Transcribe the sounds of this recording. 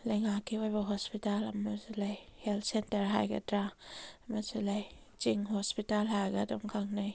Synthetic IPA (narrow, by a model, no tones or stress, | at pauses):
lejŋakʰːiojbaɦɔspitalamazilajheltsentɐɾɦa̰jɡa̰tɾamazilaj | t͡ʃiŋhospitalɦajɡadɔmkʰaŋnaj